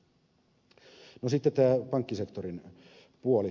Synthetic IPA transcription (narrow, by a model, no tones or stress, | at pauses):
nosit̪ːet̪æːpɑŋkːisekt̪oɾin | puoli